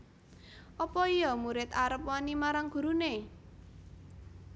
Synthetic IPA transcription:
ʔɔpɔijɔmuɾɪt̪aɾəpwanimaɾaŋɡ̥ṳɾune

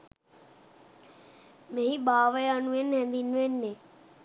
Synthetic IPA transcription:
mẽɦĩɓaːʋəjanuẽnɦẽnd̪inuẽnːe

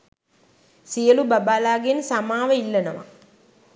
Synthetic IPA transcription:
sijəlubabaːlaːɡensamaːʋəilːɐnəʋa̰

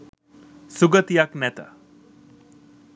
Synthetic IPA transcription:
suɡət̪ijaknɛt̪ə̰

